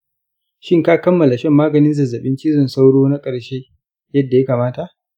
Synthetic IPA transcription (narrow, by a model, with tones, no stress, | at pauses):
ʃɪ˦ŋkaː˦kɐ˦mːɐ˨la˨ʃɛ˦mːaː˦ɡɐ˨nɪ˦nzɐ˨zːɐ˨ɓɪ˦nt͡ʃi˦zʊ˨nsa˦wɽoː˦na˦kʼɐ˨ɽʃeː˦ | jɐ˦dːa˨ja˦kaː˨maː˦ta˨ʔ